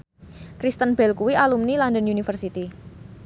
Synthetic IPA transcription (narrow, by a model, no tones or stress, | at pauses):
kɾist̪ənbɛlkuwialumnilɔndənjunifərsit̪i